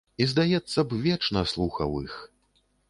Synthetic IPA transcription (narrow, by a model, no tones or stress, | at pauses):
izd̪ajɛt̪sːɐbvʲɛt͡ʂnɐslˠuxɐ̰wix